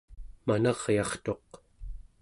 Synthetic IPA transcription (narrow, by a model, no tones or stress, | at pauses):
manɑʁjɑχt̪o̞q